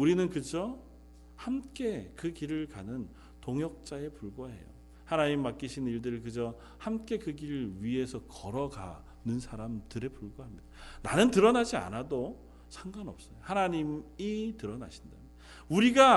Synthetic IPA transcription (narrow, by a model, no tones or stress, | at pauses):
uɾinɯnkɯd͡ʑʌ | hamk͈e̞kɯkiɾɯɭkanɯn | toŋjʌk̚t͡ɕ͈ae̞puɭɡwoɦe̞̰jo̰ | hanaɲimːak͈iɕʰiniɭdɯɾɯɭkɯd͡ʑʌ | hamk͈e̞kɯɡiɾɯɭɥiɦe̞sʰʌkʌɾʌɡa̰ | nɯnsʰaɾamtɯɾe̞puɭɡoɦamɲid̥ananɯntɯɾʌnad͡ʑia̰nado | sʰaŋɡanʌp̚s͈ʌjohanaɲimitɯɾʌna̰ɕʰi̥nda | uɾiɡa